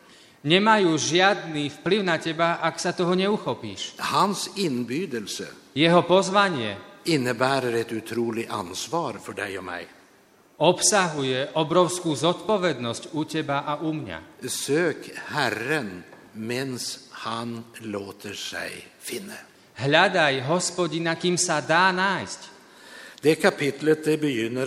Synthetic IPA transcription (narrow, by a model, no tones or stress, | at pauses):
ɲɛmajuːʒɪad̪niːfpliʊnacɛbaʔaksat̪ɔɦɔɲɛuxɔpḭːʃhansɪnbyːd̪əlsə̰ | jɛɦɔpɔzʋaɲɪɛ̰ɪnːəbæːɾəɾɛt̪ʉt̪ʰɾuːlɪa̰nsʋɑːɾfɔɖæɪɔmæ̰ɪ | ɔpsaɦujɛʔɔbɾɔʊskuːzɔt̪pɔʋɛd̪nɔscucɛbaʔaʔumɲa̰søːkhæɾən | mɛnshanloːt̪ʰəʂɛ̰ɪfɪnːə | ɦʎad̪ajɦɔspɔɟinakiːmsad̪aːnaːjsc | d̪̥ɛkʰapʰɪt̪lət̪̚d̪ɛbəjʏnːə